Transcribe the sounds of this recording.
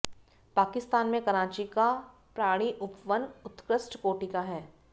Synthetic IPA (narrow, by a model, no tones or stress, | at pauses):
paːkɪst̪aːnmẽkɐɾãːt͡ʃika | pɾaːɽ̃iʔʊpʋənʊt̪kɾəsʈkoːʈikaɦɛː